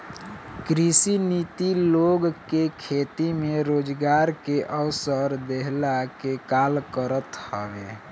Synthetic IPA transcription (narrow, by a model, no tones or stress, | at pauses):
kɾisinit̪iloɡkekʰet̪imeɾoːd͡ʒɡaɾkeʔəwsəɾd̪eɦlakekalkəɾət̪həbe